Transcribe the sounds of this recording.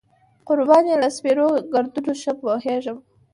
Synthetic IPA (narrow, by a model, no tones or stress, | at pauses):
qʊɾbɑnelaspeɾoɡaɾd̪unoʃəpwoheʐəm